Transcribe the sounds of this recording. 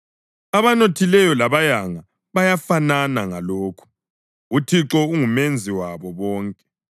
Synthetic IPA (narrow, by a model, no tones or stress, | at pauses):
aβanotʰilɛjɔlaβajaŋa | βajafananaŋaloːkʰu̥ | utʰiǁɔuŋumend͡zʱiwaβɔβɔːŋkʼɛ̥